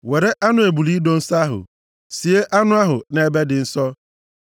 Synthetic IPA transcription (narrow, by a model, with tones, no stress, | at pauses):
we˨ɾe˦ʔa˦nʊ˦e˨bu˨li˦do˦n̩˦sa˦ɦʊ̰˨ | si˨e˦ʔa˦nʊ̃˦a˦ɦʊ˨ne˨e˦be˦dɪ˨n̩˦sɔ˦